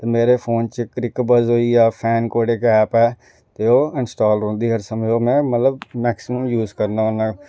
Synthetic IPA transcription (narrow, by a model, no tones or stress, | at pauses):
t̪emeːɾepʰoːnt͡ʃəkɾɪkbəzɦoːijaːpʰɛːnkoːɽekɛːpɛː | t̪eoːɪnsʈaːlɖɦõːnd̪iːɦəɾsəməoːmɛ̃ːmət̪ləbmɛːksɪməmjuːzkəɾnaʊnã